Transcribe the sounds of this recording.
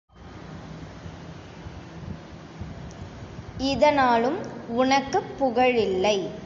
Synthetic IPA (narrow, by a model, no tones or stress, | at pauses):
ɪðɐnaːlɯmʊnɐkːɯpːʊɣɐɻɪlːɐɪ